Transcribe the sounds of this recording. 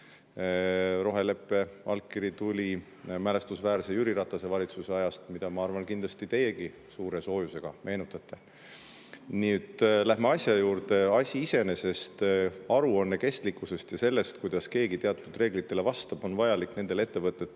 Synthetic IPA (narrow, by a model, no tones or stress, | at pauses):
ɾo̞ɦe̞le̞pːˑe̞ɑlkːˑiɾit̪ulʲi | mæle̞st̪usvæːɾsejyɾiɾɑt̪ˑːɑse̞vɑlʲit̪suseɑjɑst̪mid̪ɑmɑɑrvɑnkind̪lɑst̪it̪e̞jeɡ̥i | suːɾe̞so̞ːjuse̞ɡ̥ɑmʔe̞ːnut̪ːˑɑt̪ːˑe̞ | niet̪ːˑlæhmeɑsʲjɑjuːrd̪e̞ɑsʲiise̞ne̞se̞st̪ɑɾuonːeke̞st̪likːˑuse̞st̪jɑse̞lːe̞st̪̚kujd̪̥ɑske̞ːɡit̪e̞ɑt̪ːˑud̪̥re̞ːɡlit̪ːˑe̞le̞vɑst̪ɑb̥o̞nvɑjɑlikne̞nd̪̥e̞le̞t̪ːe̞vɤt̪ːˑet̪ːˑ